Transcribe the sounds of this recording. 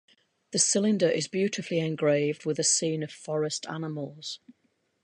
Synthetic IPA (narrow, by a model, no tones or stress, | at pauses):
ðəsɪlɪ̃ndəɹʔɪzbjʉˑtʰɪfliɛ̃nɡɹeɪvdwɪðəsĩːnəv̥fɒɹɪstʰa̰nɪməlˠz̥